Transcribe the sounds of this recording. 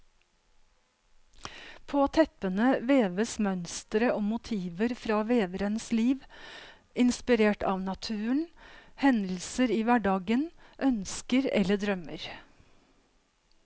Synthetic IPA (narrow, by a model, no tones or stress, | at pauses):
pʰoːt̪ʰɛpənəʋeːʋəsmœnst̪ɾəʔoːmʊt̪ʰiːʋəɾfɾɑːʋeːʋəɾənsliːʋ | ɪnspɪɾeːʈɑ̰ːʋnɑt̪ʰʉːəɳhɛnd̪l̩səɾiːʋæɖɑːɡənʔœnskəɾɛ̰ləɖɾœmə̰ɾ